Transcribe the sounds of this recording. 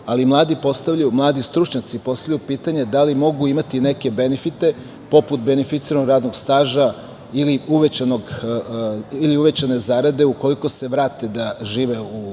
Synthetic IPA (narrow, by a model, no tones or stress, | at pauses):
alimlˠaːd̪ipo̞st̪aʋʎumlˠaːd̪ist̪ɾut͡ʃɲat̪sipo̞st̪avʎjupiːt̪aɲe̞d̪alimo̞ɡuimat̪ine̞ke̞be̞nefit̪e̞ | po̞put̪be̞nefit̪siɾanoɡɾaːd̪noɡst̪aːʒa | iliuʋet͡ɕanoɡ | iliuʋe̞t͡ɕane̞zaːɾad̪e̞uko̞liko̞se̞ʋɾaːt̪e̞d̪aʒiːʋe̞u